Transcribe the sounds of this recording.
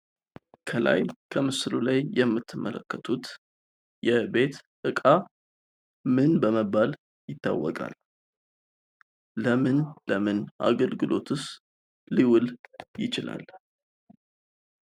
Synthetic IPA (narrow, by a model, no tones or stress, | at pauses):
kʰəla̰jkʰəmɨslulajːɛmːɨt̪ʰːɨmːələkːət̪ʰut̪ | jɛbe̞t̪ʔɨkʼa | mɨnbəməbːal | jɪt̪ːa̰wːɔkʼa̰l | əmɨnləmɨnʔa̰ɡəlɡɨlʔo̞t̪ʰɨs | liwʊljɪt͡ʃɪla̰l